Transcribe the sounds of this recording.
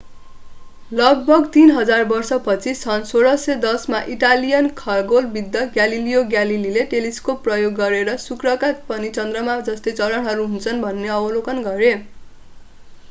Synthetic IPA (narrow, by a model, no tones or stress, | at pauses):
lʌɡ̚bʱʌɡt̪inɦʌd͡zarbʌrsʌpʌt͡sʰisʰʌnsoɾʌsʌd̪ʌsmaʔiʈalijʌnkʰʌlɡolbid̪ːʌɡjalilijoɡjalilileʈeliskopːrʌjoɡːʌɾeɾʌsukrʌkatpʌnit͡sʌnd̪rʌmad͡zʌst̪et͡sʌlʌnɦʌɾuɦunt͡sʰʌnbʱʌnːeʌbʌlokʌnɡʌɾe